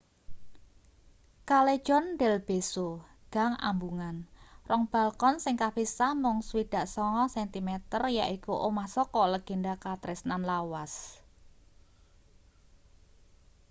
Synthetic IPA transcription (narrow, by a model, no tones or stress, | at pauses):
kale̥ʒ̥ɔnɖɛlb̥eso | ɡ̥a̤ŋa̰mbuŋanrɔŋb̥a̤lkɔnsɪŋkapisamʊŋswid̪̥a̤ʔsɔŋɔsɛnt̪imɛt̪ərjaʔikuʔomahsɔkɔləɡ̥e̤ndakat̪ɾɪsnanlawas